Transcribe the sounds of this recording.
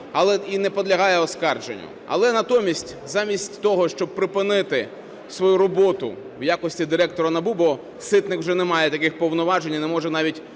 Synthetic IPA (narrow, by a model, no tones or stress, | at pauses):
ɐlˠɛinɛpɔd̪lʲɐɦɑjɛɔskɑrd͡ʒenʲːʊ̰ɐ̰lˠɛnɐt̪ɔmʲisʲtʲ | zɑmʲisʲtʲt̪ɔɦɔʃt͡ʃɔb̚pɾɪpɪnɪt̪ɪ | sʋɔjuɾɔbɔt̪ʊ̰ | wjakɔsʲtʲid̪ɪɾɛk̚t̪ɔɾɐnɐbubɔ | sɪt̪nɪkwʒɛnɛmɑjɛt̪ɐkɪxpɔwnɔʋɑʒenʲɐnɛmɔʒɛnɑʋʲitʲ